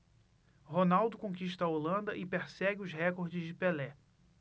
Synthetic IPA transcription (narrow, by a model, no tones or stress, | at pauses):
ɦonawd̪ʊkõkiʃt̪ɐɐolɐ̃nd̪ɐʔɪpeɾsɛɡɪʊzɦɛkoɾd͡ʒɪzd͡ʒɪpelɛ